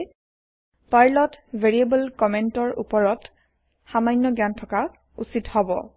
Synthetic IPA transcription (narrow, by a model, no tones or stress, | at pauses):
paɹlɔtbʱeɹiebəlkɔmentɔɹṵpɔɹɔt | xamajnːɔɡjantʰɔka | ṵsithɔbɔ̰